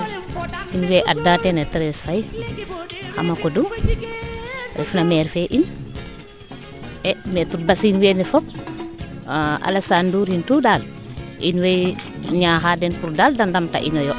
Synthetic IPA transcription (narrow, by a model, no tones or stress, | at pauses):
inwɛjʔadatɛnetɛɾɛsaj | xa̰makɔdu | ɾḭfnamɛːɾfɛʔin | ɛmɛtut̚basinwenɛfɔp̚ | a̰lesanduːɾhintuːdal | ʔḭnwɛjɲaːxadɛnpuɾdaldandamta̰ʔinɔjɔ